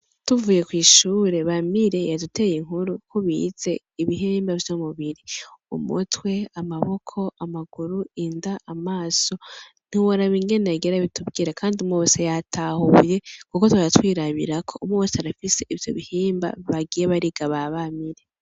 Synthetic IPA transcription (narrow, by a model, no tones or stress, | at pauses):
tuvuːje̞kwiːʃuːɾe̞βamiɾe̞jadute̞ːjiŋɦuɾukʰoβḭz̥e̞ | iβiɦeːmbavjomuβiɾiṵmṵtwe̞amaβo̞kʰo̞ʔamaɡ̥uɾuindaʔamaːso̞ | n̥iwoɾaβiŋɡe̞nejaɡeɾaβitubɡiɾakʰaːndiumŋoβosejatʰahuje̞kukotwaɾatwiːɾaβḭɾakʰo̞umŋoβosaɾafise̞ʔivjo̞̰βihiːmba̰βaɡijeβaɾiɡaβaβamiɾe̞